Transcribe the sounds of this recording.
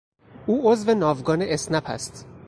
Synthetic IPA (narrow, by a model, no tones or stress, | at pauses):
ʔuːʔozvenɒːvɡɒːneʔesnæpʰæ̰st̪